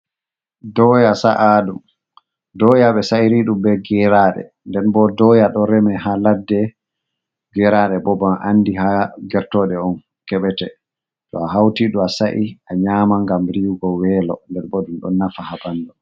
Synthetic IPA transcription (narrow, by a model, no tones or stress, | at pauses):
dɔjasaʔaɗum | dɔjaɓɛsaiɾiɗumbɛɡɛɾaːɗɛ̰ | ndɛnbɔdɔjaɗɔɾɛmɛɦaladːɛ | ɡɛɾaːɗɛbɔbaʔandihaɡɛɾtɔːɗɛɔn | kɛɓɛtɛ | tɔ̰aɦawtiɗuasaʔiaɲaːmaŋɡamɾiwɡɔwɛːlɔndɛɾbɔdumɗɔ̰nːafahabandɔ